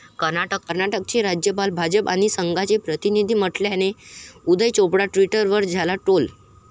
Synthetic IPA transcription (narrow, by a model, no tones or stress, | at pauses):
kəɾnaʈəkːəɾnaʈək̚t͡ɕeɾad͡ʑjəpalbʱad͡ʑəpa̰ɽ̃isəŋɡat͡ɕepɾət̪inid̪ʱiːm̤əʈljañeud̪ʱəjt͡ɕopɽaʈʋiʈəɾʋəɾd͡zʱalaʈol